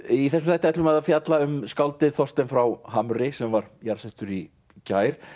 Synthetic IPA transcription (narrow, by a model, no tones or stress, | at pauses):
iθɛsʏmθajht̪ajt̪lʏmɛðafjat̪laʏmskawlt̪ɪðθɔst̪ɛnfɾawɦaːmɾɪsɛmvaɾ̥jaɾ̥sɛht̪ʏɾi | caːjɾ̥